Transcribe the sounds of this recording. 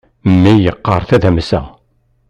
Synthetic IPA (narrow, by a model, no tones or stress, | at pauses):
mːijəqːəɾˤθæðæmsæ̰